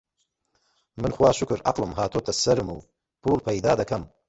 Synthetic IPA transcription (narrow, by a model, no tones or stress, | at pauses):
mɨnxwaːʃʊkɨɾʔɐ̰qlˠɨmɦaːt̪ʰot̪ʰɐsɐɾɨmṵː | pʰuːlˠpʰɐjd̪aːd̪ɐkɐm